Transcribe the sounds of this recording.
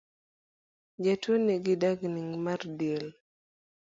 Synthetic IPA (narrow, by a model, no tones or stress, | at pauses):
d͡ʒatwoniɡɪdaɡniŋmardjel